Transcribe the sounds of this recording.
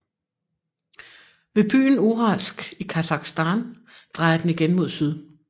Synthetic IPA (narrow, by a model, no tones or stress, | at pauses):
ʋe̝b̥y̰ːn̩uʁɑlsɡ̥ikʰæsɑ̈ɡ̥sd̥æn | d̥ʁɑ̈ɪ̰ɐd̥eniɡ̥enmo̝ð̞̰ˠsyð̞ˠ